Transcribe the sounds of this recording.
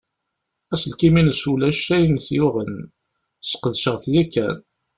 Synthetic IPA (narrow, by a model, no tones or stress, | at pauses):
æsəlkiminəsulæʃæjnθjuʁən | sqəðʃəʁθjækːæ̰n